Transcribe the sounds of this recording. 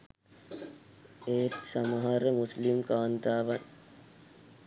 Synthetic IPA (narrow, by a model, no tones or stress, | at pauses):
eːt̪sɐmɐɦaɾəmuslimkaːnt̪aːʋɐn